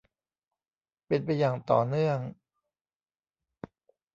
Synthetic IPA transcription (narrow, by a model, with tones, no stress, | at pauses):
pe˧npa˧jːaː˨˩ŋt̪ɔ̰ː˨˩nɯ˥˩əŋ